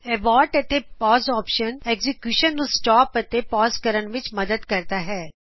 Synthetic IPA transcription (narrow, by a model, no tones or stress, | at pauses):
ɛːʋaːɾɖət̪eːpɔːzɔːpʃənɛːɡzɪkjuːʃənːũsʈɔːpət̪epɔːskəɾəɳʋɪt͡ʃməd̪əd̪kəɾd̪aːɦɛː